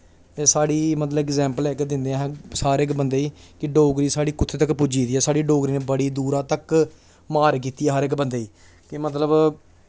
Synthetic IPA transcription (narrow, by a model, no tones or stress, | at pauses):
eːsaːɽiːmət̪ləbɛkzɛ̃ːmpəlɛːkd̪ɪ̃nd̪ẽɦsaːɾɪkbənd̪eːiːkɪɖoːɡɾiːsaːɽiːkʊt̪ʰːeːt̪əkpʊd͡ʒiːd̪iːɛːsaːɽiːɖoːɡɾiːneːbəɽiːd̪uːɾãːt̪ək | maːɾk̬iːt̪iɛːɦəɾɪkbənd̪eːiː | kɪmət̪̬ləb